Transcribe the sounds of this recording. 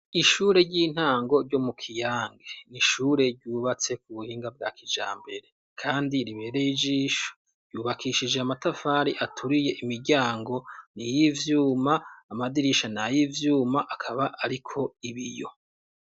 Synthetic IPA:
iʃuːɾe̞ɾɟiːn̥haːŋɡo̞ɾɟo̞mukʰijaːŋɡeniʃuːɾe̞ɾɟuːβat͡se̞kuβuhiːŋɡab̚ɡa̰ːkid͡ʒa̰ːmbe̞ɾe̞ | kʰaːndiɾiβe̞ɾe̞jid͡ʒiːʃo̥ | ɾɟuːβakʰiʃid͡ʒeamatafaːɾiʔatʰuɾije̞ʔimiɾɟaːŋɡo̞nijivjuːmaːmadiɾiʃanajivjuːmaʔakʰaβaʔaɾikʰo̞iβijo̞̰

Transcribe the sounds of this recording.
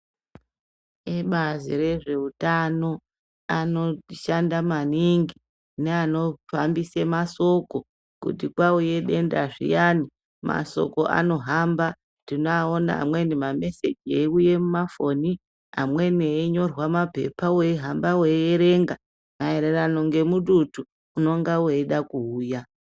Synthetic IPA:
eɓazḭre̞ʐe̞utano̞ | ano̞ʃandamaniŋɡi | neano̞fambisemaso̞ko̞ | kṵtikwauje̞ɗe̞ndaʐḭjani | ma̰so̞̰ko̞ʔa̰no̞ɦamba | ndinoaona̰a̰mwe̞nimame̞se̞d͡ʒieuje̞mumafo̞ni | a̰mwe̞niɲo̞rwamape̞̰paweiɦambaweeɾe̞ŋɡa | maeɾerano̞ŋɡe̞muɗutuː | no̞ŋɡaweiɗakuuːja

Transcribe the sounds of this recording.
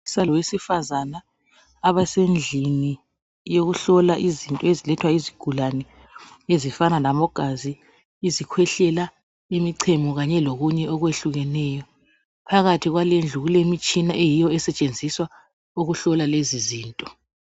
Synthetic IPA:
salɔwesifazanaː | βasend͡ɮʱini | joɣuɬɔlaʔizintʼɔezilɛtʰwaiziɡ̥ʱulanɛ | ezifanalamɔɡ̥ʱazi | izikʰwɛɬɛla | imiǀʰemuɣaɲɛloɣuɲɛʔɔɣweɬuɣɛnɛjɔ | pʰaɣatʰiɣwalend͡ɮʱuɣulemit͡ʃʼinaʔejijɔɛsɛt͡ʃʼend͡zʱiswa | uɣuɬɔlaleziziːntʼɔ

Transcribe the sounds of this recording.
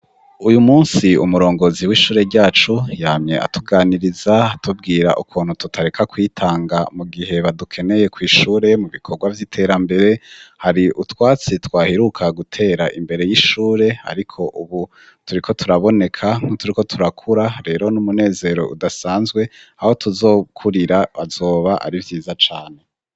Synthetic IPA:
ujumuːnsiṵmuɾo̞ːŋɡo̞ziwiːʃuːɾe̞ɾɟaːt͡ʃujaːmɲe̞̰ʔa̰tuɡaːniɾizatub̚ɡiːɾa̰ʔukʰuːn̥hututʰaɾekʰakwiːtʰaːŋɡamuɡiɦe̞βadukʰe̞ne̞je̞kwiːʃuːɾe̞muβikʰo̞ɾɡwavjiːtʰe̞ːɾambe̞ɾe̞haɾiʔutwaːt͡sitwaːhiɾukʰaɡutʰe̞ːɾaʔimbe̞ɾe̞jiʃuːɾe̞ha̰ɾikʰo̞ʔuβu | tuɾikʰo̞tʰuɾaβo̞ne̞kʰaŋ̥hutuɾiko̞tʰuɾakʰuɾaɾe̞ːɾo̞numune̞ːze̞ɾo̞̰ʔṵdasaːnzɡwe̞aho̞tʰuzo̞ːkʰuɾiɾaβazo̞ːβaʔa̰ɾivjiːzat͡ʃaːne̞

